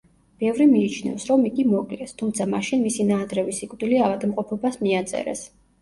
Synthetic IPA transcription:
b̥ɛvɾimiːt͡ʃʰnɛ̰fsɾɔmiɡimɔkʼlɛst̪ʰumt̪sʰamaʃinmisinaːd̪ɾɛvisikʼd̪iliavad̪mqʼɔpʰɔbasmiat̪sʼɛ̰ɾɛ̰s

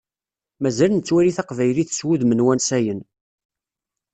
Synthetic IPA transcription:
mæzælnət͡sːwæɾiθæqvæjliθə̥swuðmənwænsæjən

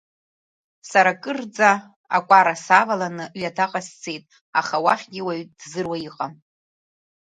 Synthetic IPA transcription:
saɾakʼɨrd͡zʼa | akʷʼaɾasavalanɨʔɥadʰaqʼast͡sʰe̞jtʼ | aχawaχʲɡʲɪwaɥdzɨrwaiqʼa

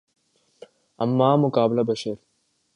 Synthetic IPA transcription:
ɐmːaːmʊkaːblɐbɐʃɐɾ

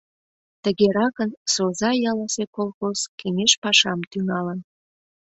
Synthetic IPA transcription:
t̪əɣeɾɑkənsozɑjɑlɑsekolxoskeŋeʃpɑʃɑmt̪yŋɑlən

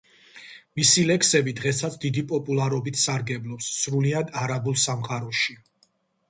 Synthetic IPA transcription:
misilɛkʰsɛbid̪ʁɛsat̪sʰd̪id̪ipʼɔpʼulˠaɾɔbit̪ʰsaɾɡɛblˠɔpsːɾuliad̪aɾabulˠsamχaɾɔʃi

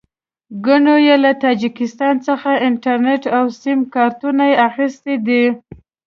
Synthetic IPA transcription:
ɡaɳojelat̪ɑd͡ʒikɪst̪ɑnt͡səxaɪɳʈaɾneʈawsɪmkɑɾt̪unajeaxist̪ed̪i

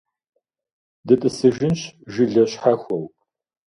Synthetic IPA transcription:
dɨtʼɨsɨʒɪnɕʒiɮɐɕħaxʷɔw

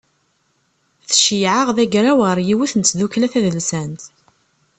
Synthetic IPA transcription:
θəʃijʕaʁðæɡɾawəɾˤjiwiθənt͡sːðuklæθæðəlsænt̪

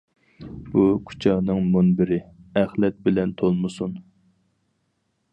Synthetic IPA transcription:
b̥ukʰu̥t͡ʃʰɑːnɨŋmunbɪɾɪæχlɛt̪̚bɪlɛnt̪ʰolˠmɨsun

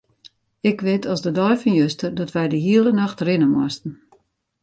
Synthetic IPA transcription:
ɪkʋɪtʰɔsdədɔjfɑnjøstərdɔtʋɛjdəɦiəlˠənaxtrɪnənmwɔstn̩

